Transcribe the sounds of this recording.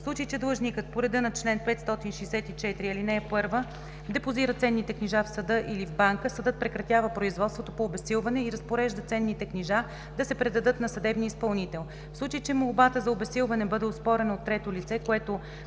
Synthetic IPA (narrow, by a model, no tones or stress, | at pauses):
fslˠut͡ʃəjt͡ʃɛd̪lˠɤʒnikət̪̚poɾɛd̪ɤnɐt͡ʃlɛnpɛt̪st̪ɔt̪inʃɛːsɛt̪it͡ʃɛt̪ɾiɐlinɛɛpɤɾvə | d̪ɛpoziɾət̪sɛnːit̪ɛkniʒafsɐd̪ɤʔilivbaŋkəsəd̪ɤt̪̚pɾɛkɾɐt̪javəpɾoizvɔt̪st̪vot̪opoːbɛsilˠvɐnɛiɾɐspoɾɛʒd̪ət̪sɛnːit̪ɛkniʒa | d̪ɐsɛpɾɛd̪ɐd̪ɤt̪nɐsɐd̪ɛbniispɐlˠnit̪ɛlˠ | fslˠut͡ʃəjt͡ʃɛmolˠbat̪əzɐobɛsilˠvɐnɛbɤd̪ɛospɔɾɛnɐot̪ːɾɛt̪olit̪sɛkoɛt̪o